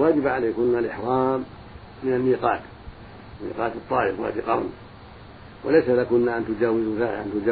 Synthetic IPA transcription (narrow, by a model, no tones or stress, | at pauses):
waːd͡ʒɪbaʕaleːkʊnːalʔɪħɾˤɑːmː | ɪnanːiːqɑːt̪ | nːḭːqɑːt̪ɑt̪ˤːɑːʔɪfwa̰ːd̪iqɑɾˤni | walajsalakʊnːaʔant̪ʊd͡ʒaːwɪzzaːʔa̰nt̪ʊd͡ʒa